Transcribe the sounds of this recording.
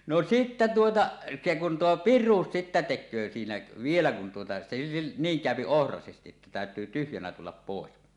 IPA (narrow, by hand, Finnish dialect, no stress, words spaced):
no sitːæ tuotɑ se kun tuo pirˑuːs sitːæ tekˑøː siːnæ ʋielæ kun tuotɑ se niːŋ kæˑøpi ohrɑsestiʔ ʔetːæ tæˑøtˑyː tyhjænæ tulːɑp poˑes